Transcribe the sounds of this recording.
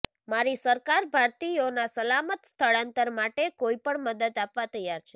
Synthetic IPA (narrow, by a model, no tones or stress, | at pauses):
maɾisəɾkaɾbʱaɾt̪ionasəlamət̪st̪ʰəɭãnt̪əɾmaʈekoipəɳməd̪əd̪apʋat̪əjːaɾt͡ʃʰe